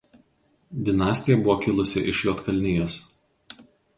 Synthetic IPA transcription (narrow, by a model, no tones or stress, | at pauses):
d̪ʲɪnɑːsʲt̪ʲɪjɛbʊʋoːkʲɪlˠʊsʲɪ̰ʔɪʃjoːt̪kɐlʲnʲɪjoːs